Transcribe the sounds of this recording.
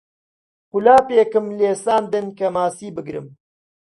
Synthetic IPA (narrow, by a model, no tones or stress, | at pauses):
qʊlaːpeːkɨmleːsaːnd̪ɨnkɐmaːsiːbɨɡɾɨ̰m